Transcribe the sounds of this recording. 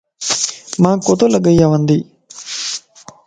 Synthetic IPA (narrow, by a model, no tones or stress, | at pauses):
mãːkot̪oləɡəjaːʋənd̪iː